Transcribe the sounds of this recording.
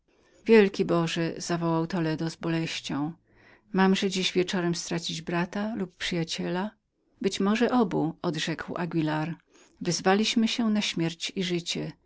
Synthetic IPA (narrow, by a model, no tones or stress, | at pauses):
vʲjɛlkʲibɔʐɛz̥avɔwawt̪ɔlɛd̪ɔzbɔlɛɕt͡ɕɔ̃w̃ | mamʐɛd͡ʑiʑvʲjɛt͡ʂɔɾɛmst̪ɾat͡ɕid͡ʑbɾat̪alupːʂɘjat͡ɕɛla | bɘt͡ɕmɔʐɛʔɔbuɔd̪ʐɛkwʔa̰ɡʲilaɾ | vɛzvalʲiɕmɘɕɛnaɕmʲjɛɾt͡ɕiʐɘt͡ɕɛ